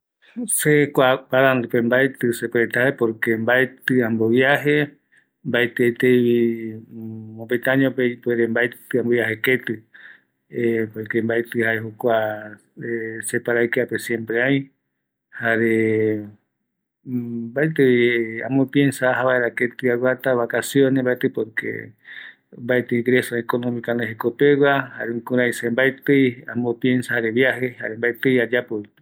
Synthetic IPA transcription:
sekʷapaðand̪upembaet̪ɨsepeɾet̪aaepoɾkembaet̪ɨãmbojaɦe̞ | mbaet̪ɨajt̪ejβi | opet̪ãɲõpepeɾembaet̪ɨambojaɦeket̪ɨ | epoɾkembaet̪ɨhaeɦukʷa | esepaɾajkeapesjẽ̞mpɾeaj̃ | haɾe | bajt̪ɨja̰mopiensaːɦaβaeɾaket̪ɨawʷat̪aβakasjonẽmbajt̪ɨpoɾkḛ | mbajt̪ɨɡɾesoekonõmĩkaneɦekopewaha̰ɾeuŋkuɾãjsembajt̪ɨjamopjensahaɾeβjaheha̰ɾembajt̪ɨjad͡ʒapo

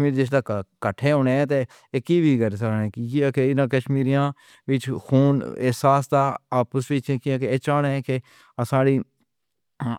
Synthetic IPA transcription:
miːɾd͡ʒes̬d̪aːkəʈʰːeːɦoːneːɛ̃ːt̪eː | kiːʋiːɡəɾsakeːkiiaːkeɪnãːkəʃmiːɾijãː | ʋɪt͡ʃkʰuːnɪɦsaːsd̪aːaːpəsʋit͡ʃeːkɪaːkeeːt͡ʃaːɽẽke | saːɽiː

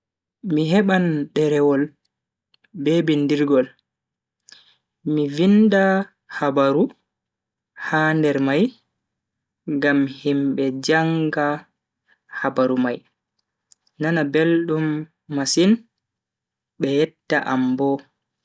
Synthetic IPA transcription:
miɦɛɓanɗɛɾɛwɔl | bebindiɾɡɔl | mivinda | habaɾu | handɛɾmaj | ŋɡamhimɓɛd͡ʒaŋɡa | habaɾumaj | nanabelɗumː | asin | ɓɛjɛtːaʔambɔ

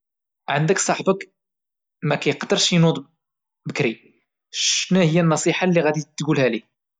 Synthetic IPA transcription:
ʕənd̪əksˤɑħbək | mækæjqd̪əɾʃjnud̪ˤ | bəkɾi | ʃnæhəjːænːɑsˤiħalːiɣæd̪it̪ːɡulhælik̚

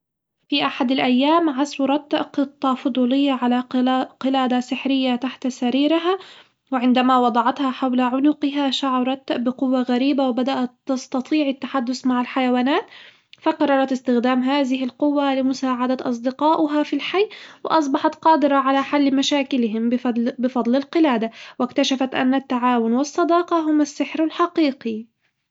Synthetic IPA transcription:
fiʔaħad̪alʔajːaːmʕasɾˤɑt̪qɨt̪ˤːɑfʊd̪ˤuːlɪjːaʕalaqɪlaːd̪asɪħɾɪjːat̪aħt̪asaɾiːɾɪɦa | wɪʕɪnd̪amawɑd̪ˤɑʕɑt̪haħawlaʕʊnʊqɪɦaʃaʕɑɾˤɑt̪bɪqʊwːaɣaɾiːbawɪbad̪aʔat̪ːɑst̪ɑt̪ˤiːʕɪt̪ːaħad̪ːʊsmaʕɪlħajawaːnaːt̪ | faqɑrˤːɑɾˤɑt̪ɪst̪ɪxd̪aːmɦaːðɪɦɪlqʊwːalɪmʊsaːʕad̪at̪ʔɑ̰s̬ˤd̪ɪqɑːʔʊɦafilħajːwɪ̰ʔɑs̬ˤbɑħɑt̪qɑːd̪ɪɾɑʕalaħalːmaʃaːkɪlɪɦɪmbɪfɑd̪ˤlɪlqɪlaːd̪awɪkt̪aʃafat̪ʔa̰nːat̪ːaʕaːwʊnwɨsˤːɑd̪ɑːqɑɦʊmasːɪħɾalħɑqiːqi

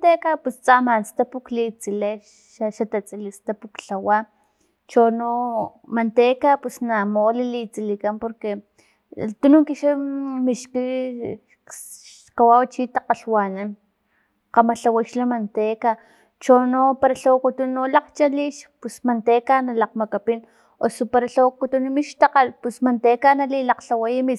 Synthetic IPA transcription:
t̪ekapust͡samanst̪apuklit͡sile | ʃat̪at͡sʼilist̪apukɬawa | t͡ʃonomant̪ekapusnamolilit͡silikanpoɾke | t̪unuŋkiʃamiʃki | ʃ | kawawt͡ʃit̪aqaɬwanan | qamaɬawaʃlamant̪eka | t͡ʃonopaɾaɬowkut̪unːolaqt͡ʃaliʃpusmant̪ekanalaq̚makapin | osupaɾaɬokut̪unmiʃt̪aqalpusmant̪ekanalilaqɬawajami

